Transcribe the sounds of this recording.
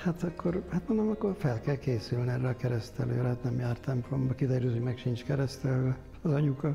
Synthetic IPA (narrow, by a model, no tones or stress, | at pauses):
hat̪ɒkːorhat̪mond̪omɒkːorfɛlkɛlkeːsylniɛrːɛɒkɛɾɛst̪ɛlø̰ːɾɛhat̪nɛmjaːrt̪ɛmplombɒkid̪ɛɾøːzøːmɛkʃint͡ʃkɛɾɛst̪ɛlø | ɒzɒɲukɒ